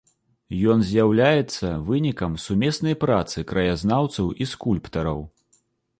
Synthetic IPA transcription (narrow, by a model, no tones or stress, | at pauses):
jɔnzʲjawlʲajɛt̪sːɐvɨnʲikɐmsumʲɛsnɐjpɾat̪sɨkɾɐjaznawt̪sɐwiskulʲpt̪ɐɾɐ̰w